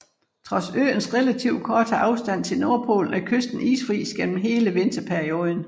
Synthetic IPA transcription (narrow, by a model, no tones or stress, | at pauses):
t͡sʰʁɒ̽sø̰ːnsʁelæt͡sʰiʊkʰɒːt͡sʰəʔɑ̈ʊsd̥æn̰t͡sʰe̝lno̝ɐpʰo̝̰ːln̩ækʰøsd̥n̩ḭːsfʁḭːsɡ̥en̰m̩ɦe̝ːləʋe̝nd̥ɐpʰeɐio̝ːð̞ˠən̩